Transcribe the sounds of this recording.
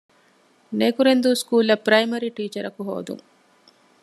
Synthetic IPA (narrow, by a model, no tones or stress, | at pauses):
neːkuɾend̪uskuːlːɐpɾɐjmɐɾiʈiːt͡ʃɐɾɐkuɦo̰ːd̪ṵŋ